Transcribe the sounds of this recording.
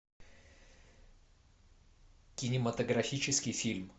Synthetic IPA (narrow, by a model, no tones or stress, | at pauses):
kʲɪnʲɪmət̪əɡɾɐfʲit͡ɕɪskʲɪjfʲilʲm